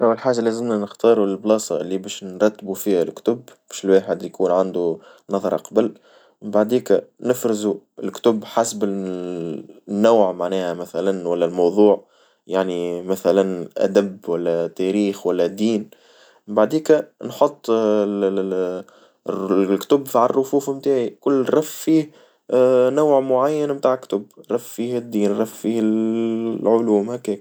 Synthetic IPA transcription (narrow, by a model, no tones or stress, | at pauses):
ʔæwːəlħaːʒælæːzɪmnænɪxt̪ɑːɾˤuɪlblɑːsˤɑʔɪlːibæːʃnɾˤɑt̪ːbufiːhælkt̪ʊbb̥æːʃɪlwaːħəd̪jkuːnʕand̪u | nɑðˤɑɾˤɑ̰qɑbəl | mɪmbaʕd̪iːkænɪfɾɪzuɪlkt̪ʊbħasbɪ | nːaːʕmaʕnæːhæmæθælænwælːælmɑwðˤuːʕ | jaʕnimæθælænʔæ̰d̪æbwælːæt̪æɾiːxwælːæd̪ːiːn | baʕd̪iːkænħot̪ˤː | kt̪ʊbfiʕɑrˤːʊfuːfmt̪aːʕikʊlːɾˤɑffiːh | nawʕmʊʕajːænmt̪aːʕkt̪ʊbɾˤɑffiːhɪd̪ːiːnɾˤɑffiːhɪ | ʕʊluːmhækɛːk̚